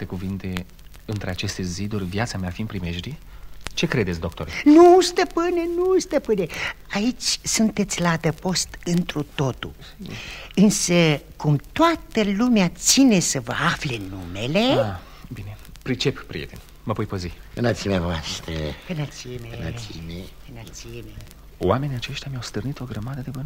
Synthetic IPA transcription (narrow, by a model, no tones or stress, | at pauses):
t̪e̞kuvint̪e̞ | ɨnt̪ɾeat͡ʃe̞st̪e̞zid̪urʲvjat̪sameafinpɾimeʃɾi | t͡ʃe̞kɾe̞d̪et̪sd̪o̞k̚t̪o̞ɾnust̪əpɨnʲenust̪əpɨneait͡ʃʲsunt̪e̞t̪sʲlaːd̪əpo̞st̪ɨnt̪ɾut̪o̞t̪ṵ | ɨnsəkumt̪oat̪əlumeat̪sine̞səvə̰afle̞nume̞le̞a | bine̞ | pɾit͡ʃe̞ppɾijet̪en | məvojpəziɨnat̪simavoast̪ɾḛɨnat̪siemeɨnasime | ɨnasieme | w̰ame̞nijat͡ʃe̞ʃt̪jamiawst̪ɨrnit̪o̞ɡɾəmad̪əd̪e̞vɨn